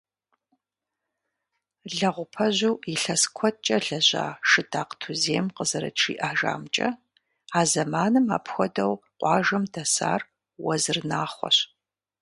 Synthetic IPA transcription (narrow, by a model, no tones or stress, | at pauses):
ɮɐʁʷʊpʰɐʑuwiɬɐskʷʰɔt͡ʃʼɐɮɐʑa̰ːʂɨdaːqtʰuzeːmqəzɐɾɐ̰ʈ͡ʂʰḭːʔaːʒa̰ːmt͡ʃʼɐ̰ | aːzɐmaːnɨma̰ːpxʷɔdɐwqʷɑːʒɐmdɐsa̰ːr | wɐ̰zɨrnaːχʷɔ̰ɕ